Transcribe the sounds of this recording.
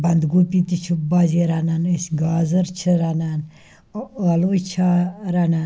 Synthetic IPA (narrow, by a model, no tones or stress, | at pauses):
bɐnd̪ɡupit̪it͡ʃʰubaziɾananesʲɡaːzɐɾt͡ʃʰəɾanan | ɐlojt͡ʃʰaɾanan